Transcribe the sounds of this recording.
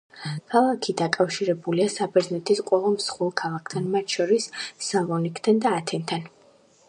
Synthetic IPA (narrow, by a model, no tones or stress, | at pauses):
kʰalˠakʰid̪akʼafʃiɾɛbuliasabɛɾznɛt̪ʰisqʼwɛvamsχwɛlˠkʰalˠakʰt̪ʰanmat̪ʰʃɔɾisːavɔnikʰt̪ʰand̪aːt̪ʰɛnt̪ʰan